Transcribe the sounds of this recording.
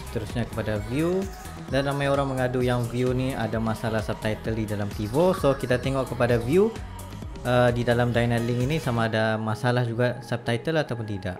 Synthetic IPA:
sə̥t̪əɾusɲakə̥padaviu | danːamaɲoɾaŋməŋadujaŋviuniadamasalahsap̚t̪ajt̪əldidalamt̪ivosokit̪at̪eŋɔʔkːəpadaviu | ədidalamdajnɛlɪŋinisamaːdamasalahd͡ʒuɡasap̚t̪ajt̪əlat̪awp̬ʊnt̪ida̰ʔ

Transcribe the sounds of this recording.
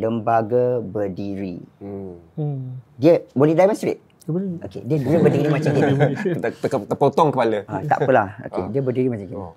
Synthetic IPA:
ləmbaɡabədiɾi | diəbolɛhdajmɛ̃nst̪ɾḛt̪̚ | o̰kḛdiədiəbədiɾimãt͡ʃaŋkin | əkət̪əpot̪ɔŋkəpaləat̪a̰ʔpəlaho̰kḛdiəbədiɾimãt͡ʃãŋkin

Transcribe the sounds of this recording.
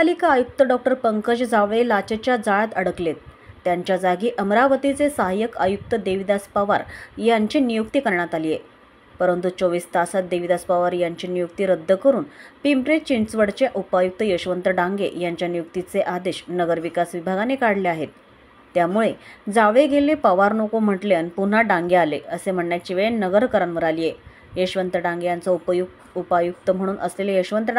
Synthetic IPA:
alikaːjuk̚t̪əɖɔk̚ʈəɾpəŋkəɕd͡zaʋelat͡ɕet͡ɕjad͡zajat̪əɽəklet̪ː | jaɲt͡ɕjad͡zaɡiːʔəmɾaʋət̪it͡sesəɦajəka̰juk̚t̪əd̪eʋid̪aspaʋa̰ɾjaɲt͡ɕinijukt̪iːkəɾɳ̃at̪alije | pəɾənt̪ut͡soʋiːst̪asat̪̚d̪eʋid̪aspaʋaɾjaɲt͡ɕiːnijukt̪iɾəd̪ʱːəkəɾuːnpimbɾet͡ɕiɳt͡sʋəɽt͡ɕeʔupajuk̚t̪əjəɕʋənt̪ɾəɖaŋɡeʔjaɲt͡ɕjanijuk̚t̪it͡seʔad̪eɕnəɡəɾʋikasʋibʱaɡanekaɽleaɦet̪ː | jamuɭed͡zaʋeɡʱelepəʋaɾnokom̤əʈleənpun̤aɖãŋɡealeəsem̤əɳɳjat͡ɕiʋəɭenəɡəɾkəɾanʋəɾalije | jəɕʋənt̪ɾəɖãŋɡejant͡səju | upajuk̚t̪əm̤əɽ̃uːnʔəslelejəɕʋənt̪ɾə

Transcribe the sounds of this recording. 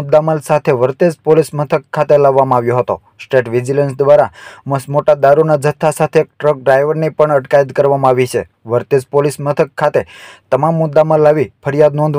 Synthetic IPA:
d̪ːaməlsat̪ʰeʋəɾt̪ed͡ʒpolismət̪ʰəkʰːat̪elaʋːamãaʋjoɦət̪o̰ | sʈeʈʋid͡ʒilənsd̪ʋaɾaməsmoʈad̪aɾunad͡ʒət̪ʰːasat̪ʰek̚ʈɾək̚ɖɾajʋəɾnipəɳəʈkaid̪kəɾʋamãaʋit͡ʃʰe | ʋəɾt̪ed͡ʒpolismət̪ʰəkʰːat̪et̪əmamːʊd̪ːaməlːaʋifʰəɾijad̪nɔ̃nd̪

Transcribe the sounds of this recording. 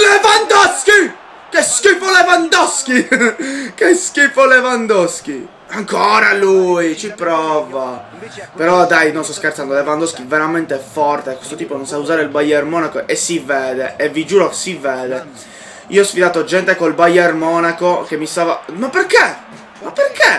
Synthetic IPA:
levand̪ɔski | keskifolevand̪ɔsk̟i | keskifolevand̪ɔsk̟i | aŋkoːɾalujit͡ʃipɾɔːva | peɾɔd̪ajnonst̪ɔskert̪sand̪olevand̪ɔskiveɾament̪efɔrt̪ekwest̪ot̪iːpononsauzaːɾeilbajermɔːnakoʔesivɛːd̪eevid͡ʒuːɾoke̥sivɛːd̪e | ḭoɔsfid̪aːt̪od͡ʒɛnt̪ekolbajermɔːnakokemːist̪aːva̰mapːerke | mapːerke

